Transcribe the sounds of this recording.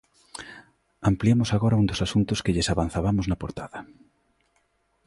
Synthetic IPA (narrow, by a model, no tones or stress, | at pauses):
ampliemʊsaɣoɾɐund̪osasunt̪ʊskeʎesaβan̟θaβamoznapoɾt̪aðɐ